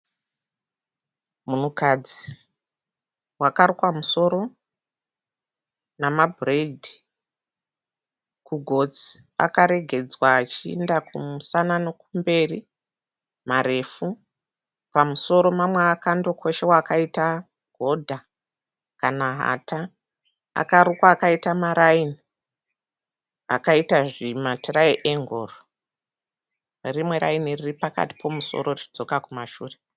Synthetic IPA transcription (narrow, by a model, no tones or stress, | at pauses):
munukad͡zi | wakarikamuso̞ɾo̞ | namabʱredʱi | kuɡʱo̞d͡zi̥ | a̰kaɾe̞ɡʱe̞d͡zwaːt͡ʃiendakumusananokumbe̞ri | maɾe̞ːfu | pamuso̞ɾo̞mamweakando̞kʰo̞ʃe̞wakaita | ɡ̥ʱo̞dʱa | kanaɦa̰ta | a̰kaɾukwaːkaitamaɾaini | a̰kaitaʐimatiɾaeʔeŋɡo̞ːro | rimwe̞ɾa̰iniriripaka̰ti̥pʰo̞muso̞̰ɾo̞rit͡ʃi̥d͡zo̞kakumaʃuːre